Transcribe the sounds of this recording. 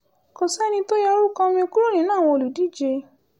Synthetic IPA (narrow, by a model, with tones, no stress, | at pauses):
ko˨sɛ˦nĩ˧to˦ja˧ɾu˦kɔ̃˧mĩ˧o˧ku˦ɾo˦˨nĩ˨˦nãː˦˨w̃ɔ̃˧o˧˨lu˨di˨˦˨d͡ʒe˧